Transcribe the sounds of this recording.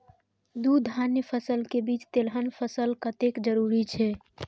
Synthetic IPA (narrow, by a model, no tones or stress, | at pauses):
d̪ud̪ʱanjəpʰəsəlkebit͡ʃt̪elɦənpʰəsəlkət̪ekd͡ʒəɾuɾit͡ʃʰɛ